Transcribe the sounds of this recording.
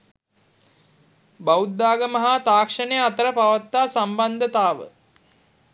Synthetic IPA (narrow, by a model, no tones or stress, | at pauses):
baud̪ːaːɡəməɦat̪aːkʂənejat̪əɾəpaʋat̪ːaːsamband̪ət̪aːʋə̰